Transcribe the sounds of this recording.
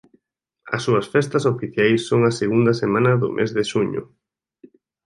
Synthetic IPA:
ɐ̰sːuɐsfɛst̪ɐsofiθjajsːoŋɐseɣund̪ɐsemãnɐðʊ̰mʔḛzðeʃuɲʊ̰

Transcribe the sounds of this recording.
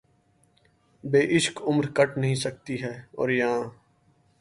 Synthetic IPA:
beːʔɪʃkʊmɾkəʈnəɦĩsək̚t̪iɦɛːɔ̰ːɾjãː

